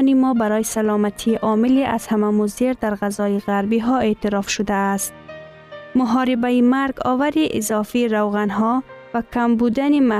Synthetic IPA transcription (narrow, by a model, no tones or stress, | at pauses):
nimɔbaɾɔjisalɔmat̪ʰiʔɒmiliʔaz̥hamamuziɾd̪aɾɣazɒiɣaɾbiɦɔet̪iɾɒfʃʊd̪aːst̪̚ | mʊɦɔːɾibaimaɾɡɔ̰vaɾiʔizɒfiːɾawɣanɦɔvakʰambud̪anima